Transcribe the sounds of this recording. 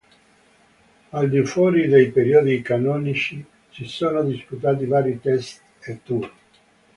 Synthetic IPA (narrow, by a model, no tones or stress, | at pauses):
ald̪ifwɔːɾid̪ejpeɾiod̪ikanɔːnit͡ʃi | sisoːnod̪isput̪aːt̪̬ivaːɾit̪ɛst̪ | et̪ːuːri